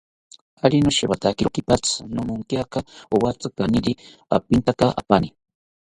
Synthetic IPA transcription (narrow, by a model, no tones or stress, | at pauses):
alinoʃewat̪akiɾokipat͡snomuŋkjakaowat͡sɨkaniɾi | a̰pint̪akaʔa̰pani